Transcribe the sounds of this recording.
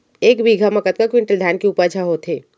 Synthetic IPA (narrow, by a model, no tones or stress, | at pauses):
eːkbiːɡʱaməkət̪̚kakwɪ̃ɳʈəld̪ʱaːnkeuːpad͡ʒʰaɦot̪ɦeː